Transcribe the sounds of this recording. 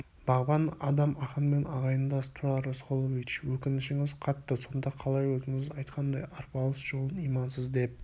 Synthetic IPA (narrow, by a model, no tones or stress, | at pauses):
b̥ɑʁbɑnɑd̪ɑmɑχənme̞nʔɑʁɑjənd̪ɑst̪ʰuɾɑɾosqʰolˠovit͡ʃwɵkʲɪnɪʃɪŋɪzqʰɑt̪ːəso̞nd̪ɑqʰɑlˠɑjwɵzɪŋɪzɑjt̪qʰɑnd̪ɑjɑɾpɑlˠəsʒ̥o̞lˠənijmɑnsəzd̪e̞p̚